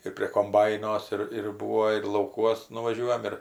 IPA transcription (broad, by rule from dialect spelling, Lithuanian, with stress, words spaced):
ɪr pʲrʲiɛ koːmˈbɐɪnoːs ɪr ɪr ˈbuːoː ɪr lˠɐʊˈkuɔs nʊʋɐˈʒʲuɔjɛm ɪr